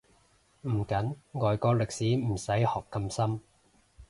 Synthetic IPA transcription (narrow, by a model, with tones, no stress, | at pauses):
m̩˨˩kɐ˨˥nŋɔː˨jkɔː˧lɪ˨k̚siː˨˥m̩˨˩sɐ˨˥jhɔː˨kːɐ˧msɐ˥m